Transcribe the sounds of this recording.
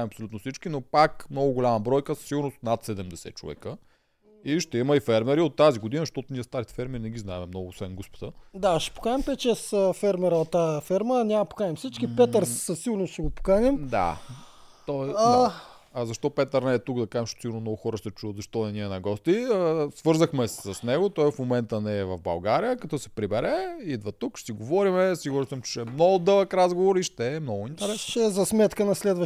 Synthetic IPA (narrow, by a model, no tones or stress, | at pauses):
ɛmɐpsolut̪nofsit͡ʃkinopakmnɔɡʊɡolʲamɐbɾɔjkəssiɡʊɾnosnat̪sɛd̪ɛmd̪ɛsɛ̰t͡ʃo̰vɛ̰kə | iʃt̪ɛiməifɛɾmɛɾiot̪ːaziɡʊd̪inəzʃt̪ɔt̪ʊnʲiɛst̪aɾit̪ɛ̥fɛɾmɛɾinɛɡʲiznaɛmɛmnɔɡʊːsvɛnɡɔspo̥t̪əd̪aʃɛ̥po̥kanʲɛmpɛt̪t͡ʃɛsəfɛɾmɛɾəot̪ːaɛfɛɾmənʲampo̥kanʲɛmfsit͡ʃkipɛt̪əɾssəsiɡʊɾnoʃɛɡopo̥kanɛmd̪a̰ | t̪ɔa | ɐzɐʃt̪ɔpɛt̪əɾnɛːt̪ukd̪ɐkaʒɛmʃsiɡʊɾnomnɔɡʊxɔɾəʃt̪ɛt͡ʃuəd̪zɐʃt̪ɔɛniɛnɐɡɔst̪iəsvɤɾzəxmɛsɐsnɛɡʊt̪ɔjfmomɛnt̪ənɛːvɐvbɐ̰lˠɡaɾijəkɐt̪ɔsɛ̥pɾibɛɾɛid̪vɐt̪ukʃsiɡovɔɾimɛsiɡʊɾnosəmt͡ʃɛ̥t͡ʃɛmnɔɡʊd̪ɤlˠəkɾazɡovoɾiʃt̪ɛːmnɔɡʊint̪ɛɾɛsnʃɛzɐsmɛt̪kənɐslɛd̪və